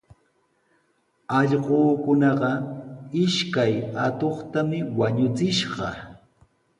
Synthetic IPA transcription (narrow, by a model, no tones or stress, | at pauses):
ɑʎɢoːkʊnɑɢɑɪʃkajat̪oχt̪amɪwaɲʊt͡sɪʃɢɑ